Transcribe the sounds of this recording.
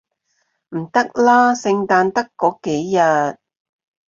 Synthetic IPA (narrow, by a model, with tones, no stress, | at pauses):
m̩˨˩t̪ɐ˥k̚laː˥sɪ˧ŋt̪aː˧nt̪ɐ˥kːɔː˨˥ke˨˥jːɐ˨t̚